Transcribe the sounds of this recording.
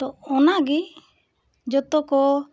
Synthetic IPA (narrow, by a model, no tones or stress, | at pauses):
t̪ɔɔnaɡi | d͡ʒɔt̪ɔkɔ